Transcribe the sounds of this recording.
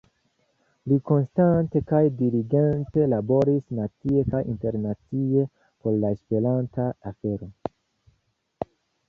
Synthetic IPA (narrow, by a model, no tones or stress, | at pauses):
liko̞nstante̞kajdiɾiɡe̞nte̞labo̞ɾisnat͡sie̞kajʔḭnte̞ɾnat͡sie̞ | po̞ɾlaespe̞lantaafe̞ɾo̞